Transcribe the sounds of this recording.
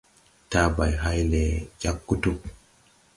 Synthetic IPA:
ta˦ba˨jɦa˦jlɛ˨d͡ʒa˦kːu˦tu

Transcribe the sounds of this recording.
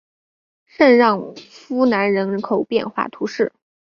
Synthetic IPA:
ʂə˥˧nɻɑ˥˩ŋfu˥na˧˥nɻə˧˥nkʰo˨˩ʊpjɛ̰˥˧nxwa̰˥˩t̪ʰu˧˥ʂɻ̩˥˩

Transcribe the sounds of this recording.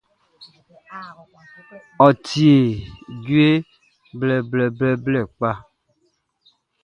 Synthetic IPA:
ɔ˨tʰi˨e˨d͡ʒu˦e˦ | blɛ˨blɛ˨blɛ˦blɛ˨k͡pa˦

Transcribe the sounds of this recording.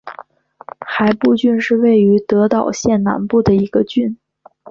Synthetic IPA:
xa˧˥ɪpu˥˧t͡ɕy˥˧nʂɻ̩˥˧we˥˩ɪy˧˥t̪ɤ˧˥t̪ɑ˨˩ʊɕjɛ˥˩nna̰˧˥npu˥˩d̪ə˩i˧˥ɡə˧t͡ɕy˥˩˧n

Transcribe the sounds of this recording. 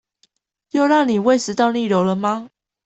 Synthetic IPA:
jo˥˧ʊɻɑ˥˨ŋni˨˩we˥˨ɪʂɻ̩˧t̪ɑ˥˧ʊni˥˨ɻjo˨˧˥ʊlə˨ma˧˦

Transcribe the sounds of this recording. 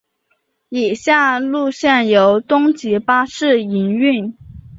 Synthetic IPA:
i˨˩ɕja˥˧lu˥˧ɕjɛ˥˩njo˧˥ʊt̪ʊ˥ŋt͡ɕi˧˥pa˥ʂɻ̩˥˩i˧˥ny˥˩n

